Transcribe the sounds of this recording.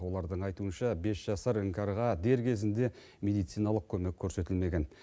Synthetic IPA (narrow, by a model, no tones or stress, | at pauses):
wo̞lˠɑɾd̪əɴɑjt̪uənʃɑbe̞sʒ̥ɑsəɾəŋkʲɑɾʁɑd̪e̞ɾkʲʰe̞zɪnd̪e̞ | mʲe̞d̪ijt̪sijnɑlˠəq̚kʲʰɵmekʲʰːɵɾse̞t̪ɪlme̞ɡʲe̞n